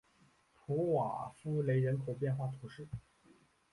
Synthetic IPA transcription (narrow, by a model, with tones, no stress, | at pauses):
p̪ʰu˧˥wa̰˨˩fu˥le˧˥ɪɻə˧˥nkʰo˨˩ʊpjɛ˥˧nxwa˥˩t̪ʰu˧˥ʂɻ̩˥˩